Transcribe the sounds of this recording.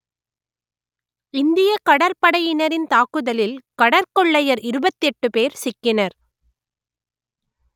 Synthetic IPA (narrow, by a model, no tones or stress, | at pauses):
ɪnd̪ɪjɐkɐɽɐɾpɐɽɐjɪnɐɾɪnt̪aːkɯðɐlɪlkɐɽɐɾkɔɭːɐjɐɾɪɾɯbɐt̪ːɛʈːɯpeːɾsɪkːɪnɐɾ